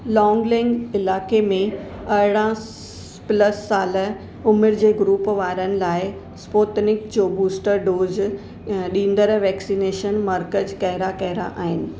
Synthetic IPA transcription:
lɔːŋɡlɪ̃ŋɡɪlaːkemẽ | ɐɦɪɽã | pləsːaːlə | ʊmɪɾd͡ʑeːɡɾuːpʋaːɾənɪ̆laːɪ | spoːt̪nɪkd͡ʑoːbuːsʈəɾɖoːz | ɗĩːnd̪əɾ̃ʋɛːksineːʃənmɐɾkəd͡ʑkɐɦɪɾakɐɦɪɾa̰ʔaːɦɪnɪ̆

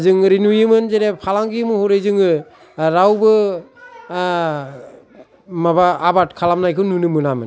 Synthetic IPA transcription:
zɯŋɾinujɯmɯnzeɾepʰalaŋɡimɯhuɾejzɯŋɯ | ɾawbɯ | mabaːbat̚kʰalamnajkʰɯwnunɯmɯnamɯn

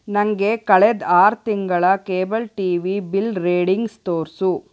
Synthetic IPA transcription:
nɐŋɡe̞kɐɭed̪aːɾt̪iŋɡɐɭɐkeːbɐlʈiːʋibilɾeːɖiŋɡst̪oːɾsu

